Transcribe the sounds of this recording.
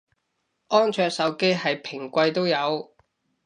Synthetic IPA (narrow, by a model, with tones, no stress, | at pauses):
ʔɔː˥nt͡ʃʰœː˧ksɐ˨˥wke˥jhɐ˨jpʰɪ˨˩ŋkʷɐ˧jt̪o˥wjɐ˨˧w